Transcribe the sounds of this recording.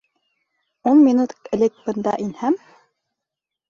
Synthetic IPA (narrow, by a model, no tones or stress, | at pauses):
unmʲinut̪ɘ̆lɘk̚bɤ̆nd̪ɑ̰ʔinhæm